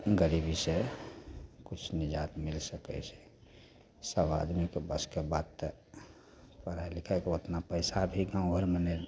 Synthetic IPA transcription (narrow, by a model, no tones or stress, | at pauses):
ɡəɾibise | kut͡ʃʰnid͡ʒat̪milsəkɛ̰t͡ʃʰɛ̥ | səba̰d̪mikebəskebad̪t̪ə | pəɾaelikʰakeot̪napəɪsabʱiɡãʊ̃bʱəɾmənel